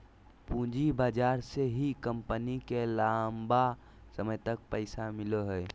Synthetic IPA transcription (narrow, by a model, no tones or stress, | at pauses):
pũd͡ʒibaːd͡ʒaːɾseɦikəmpənikelãmba | səməjt̪ək̚pəɪsamɪloɦə